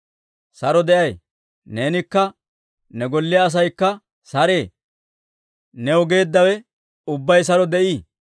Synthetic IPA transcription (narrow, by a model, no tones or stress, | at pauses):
sɐɾɔd̪ɛʔɐj | ne̞ːnɪkːɐ | nɛɡɔlːɪjɐːs̬ɐjkːɐ | sɐɾeː | nɛɔɡe̞ːd̪ːɐwɛ | ʊbːɐjs̬ɐɾɔd̪ɛʔiː